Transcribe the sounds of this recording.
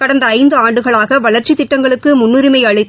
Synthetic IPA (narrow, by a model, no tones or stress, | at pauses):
kɐɽɐnd̪ɐːɪnd̪ɯaːɳɖɯɣɐɭaːɣɐʋɐɭɐɾt͡ʃit̪ɪʈːɐŋɡɐɭɯkːɯmʊnːʊɾɪmɐɪjɐɭɪt̪ː